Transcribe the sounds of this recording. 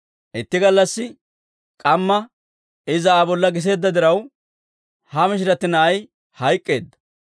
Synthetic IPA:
ʔɪt̪ːɪɡɐlːɐsːɪ | kʼɐmːɐ | ɪzɐaːbɔlːɐɡɪs̬e̞ːd̪ːɐd̪ɪɾɐw | hɐmɪʃ̬ɪɾɐt̪ːɪnɐːj | hɐjkʼːe̞̰ːd̪ːɐ̥

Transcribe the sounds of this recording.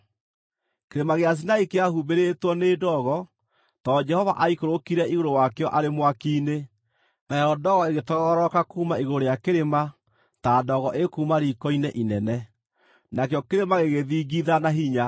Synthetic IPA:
keɾemaɣeas̬inaikeahubeɾetwɔneːdɔɣɔ | tɔd͡ʒɛhɔva̰ʔaikoɾokiɾɛiɣoɾowakejɔʔaɾemwakiːne | naɛɾɔdɔɣɔeɣetɔɣɔɣɔɾɔkakuːmaiɣooɾojakeɾema | taːdɔɣɔʔekuːmaɾikɔinɛʔinɛnɛ | nakeɔkeɾemaɣeɣeðiːɡiðanaɦiɲa

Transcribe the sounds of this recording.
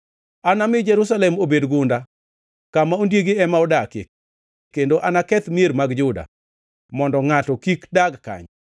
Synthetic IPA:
anamɪd͡ʒɛɾus̬alɛmobedɡʊnda | kamaondjeɡeɛmaɔdakɪ̰k | kendoʔanakɛt̪mjeɾmaɡd͡ʒʊda̰ | mɔndɔŋatɔkikdaɡka̰ɲ

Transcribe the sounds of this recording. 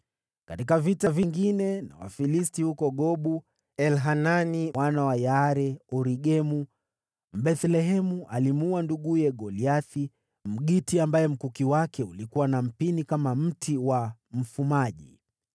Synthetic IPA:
katikavitaviŋɡinɛna̰wa̰filistihukɔɠɔɓu | ɛlɦananiwanawajaɾɛɔɾiɡɛmu | m̩bɛθlɛɦɛmuʔalimuanduɠujɛɡɔliaθi | m̩ɠitiambajɛm̩kukiwakɛulikuwanam̩pinikamam̩tʰiwam̩fumaʄḭ

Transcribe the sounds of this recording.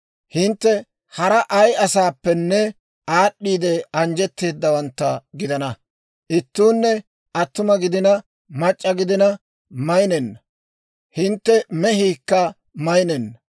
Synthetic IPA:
hɪnt̪ːɛ | hɐɾɐʔɐjɐsaːpːɛnːɛ | aːɗːiːd̪ɛɐnd͡ʒɛt̪ːe̞ːd̪ːɐwɐnt̪ːɐɡɪd̪ɐnɐ | ʔɪt̪ːuːnːɛ | ʔɐt̪ːʊmɐɡɪd̪ɪnɐ | mɐt͡ʃʼːɐɡɪd̪ɪnɐ | mɐjnɛnːɐ | hɪnt̪ːɛmɛɦiːkːɐ | mɐjnɛnːɐ

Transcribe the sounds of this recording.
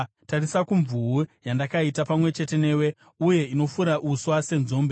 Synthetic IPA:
tarisakuɱvuujandakaitapamwe̞t͡ʃe̞te̞ne̞ːwe̞ | uje̞ino̞fuɾaʔuswase̞nzoːmbe

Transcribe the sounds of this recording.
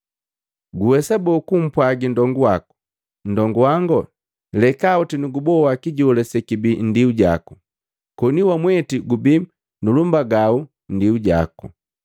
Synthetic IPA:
ɡuwɛsabɔkum̩pwaɡindɔŋɡuwaku̥ | n̩dɔŋɡuwaŋɡɔ | lɛkaɔtinuɡubɔwakiɟɔlɛsɛkibin̩diuɟa̰ku̥ | kɔniwamwɛtiɡubi | nulumbaɡau | n̩diuɟa̰ku

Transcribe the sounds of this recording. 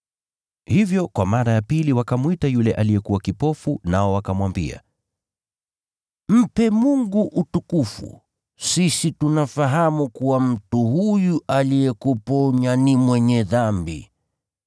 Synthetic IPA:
hivjɔkwamaɾajapiliwakamwitajulɛʔalijɛkuwakipɔfunaɔwakamwambḭa̰ | m̩pɛmuŋɡuʔutukufṵ | sisitunafaɦamukuwam̩tuhujuʔalijɛkupɔɲanimwɛɲɛðambḭ

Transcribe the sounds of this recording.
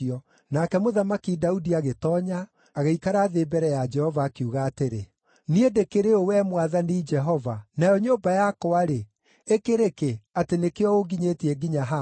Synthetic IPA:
iɔ | nakɛmoðamakidaudiaɣetɔːɲaː | ɣeikaɾaːðebɛɾɛjad͡ʒɛhɔvaːkeuɣaːteɾe | niedekeɾeowɛmwaðanid͡ʒɛɦɔvanajɔɲoːmbajakɔaɾe | ekeɾekeatenekeɔoɡiɲetiɛɡiɲaɦa

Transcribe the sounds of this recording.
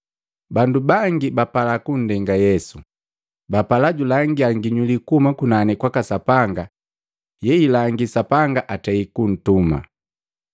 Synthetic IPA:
bandubaŋɡibapalakun̩dɛŋɡajɛsu | bapalaɟulaŋɡiaŋɡiɲulikumakunanɛkwakasapaŋɡa | jɛilaŋɡisapaŋɡaʔatɛikun̩tuma̰

